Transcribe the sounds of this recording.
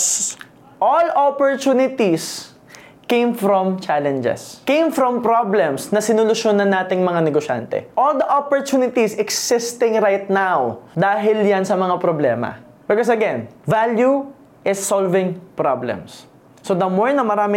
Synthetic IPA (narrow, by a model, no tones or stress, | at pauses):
ʔolopoɹt̪unɪt̪is | kẽjmfɾɔ̃mt͡ʃalɛ̃nd͡ʒɛ̰skẽj̃mfɾɔ̃mpɾoblɛ̃msnɐsɪnʊlʊʃjonɐnːaːt̪ɪŋmɐŋanɛɡoʃa̰nt̪ɛ̰ʔold̪ɐʔopoɹt̪unɪt̪isɛksɪst̪ɪ̃ŋɾajt̪̚nawd̪aːɦɪljansɐmɐŋapɾoblɛ̰ːmɐ̰ | bɪkɔs̬ɐɡɛnvalju | ʔɪsːolvɪ̃ŋpɹablɛ̰msː | od̪ɐmoɹnɐmɐɾaːmɪ